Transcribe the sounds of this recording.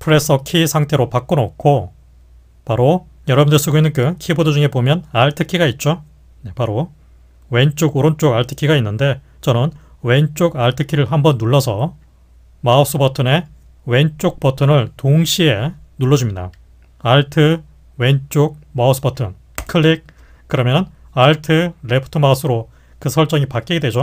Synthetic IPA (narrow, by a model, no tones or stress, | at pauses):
pʰɯɾe̞s͈ʰʌkʰisʰaŋtʰe̞ɾopak͈̚onokʰo | paɾo | jʌɾʌbundes͈ʰuɡoinːɯnkɯkʰibodod͡ʑuŋe̞bomjʌnaɭtʰɯkʰiɡait̚t͡ɕ͈o | ne̞paɾo | we̞nt͡ɕ͈oɡoɾont͡ɕ͈oɡaɭtʰɯ̥kʰiɡainːɯnde̞ | t͡ɕʌnɯn | we̞nt͡ɕ͈oɡaɭtʰɯkʰiɾɯɭɦambʌnːuɭːʌsʰʌ | maos͈ɯbʌtʰɯne̞ | we̞nt͡ɕ͈ok̚p͈ʌtʰɯnɯɭtoŋɕʰie̞nuɭːʌd͡ʑumɲida̰ | aɭtʰɯ | we̞nt͡ɕ͈oɡ̚maos͈ʰɯbʌtʰɯn | kʰɯɭːik̚ | k͈ːɯɾʌmjʌn | aɭtʰɯɾe̞pʰɯ̥tʰɯmas͈ʰɯɾo | kɯsʰʌɭt͡ɕ͈ʌŋipak͈iɡedwe̞d͡ʑo